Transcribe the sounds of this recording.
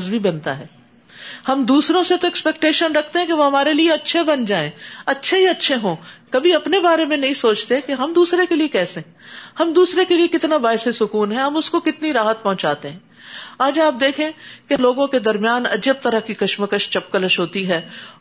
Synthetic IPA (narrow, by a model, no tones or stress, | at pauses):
zbʱibɐnt̪aɦɛː | hɐmd̪uːsɾõset̪oɛkspɛk̚ʈeːʃənɾɐk̚ʰt̪eɦɛ̃keʋoɦɐmaːɾelieɐtːʃʰebɐnd͡ʒaːẽːɐtːʃʰeɦiɐtːʃʰeɦõːkɐbʱiɐpnebaːɾemẽnɐɦĩsoːt͡ʃt̪eɦɛ̃keɦɐmd̪uːsɾekeliekɛːseɛ̃hɐmd̪uːsɾekeliekɪt̪nabaːɪsesʊkuːnɦɛɦɐmʊskokɪt̪niɾaːɦət̪̚pɐɦʊ̃t͡ʃaːt̪eɦɛ̃ː | aːd͡ʒaːp̚d̪eːkʰẽːkeloːɡõked̪ɐɾmjaːnɐ̰d͡ʒəp̚t̪ɐɾəkikɐʃməkəʃt͡ʃɐp̚kələʃɦoːt̪iɦɛː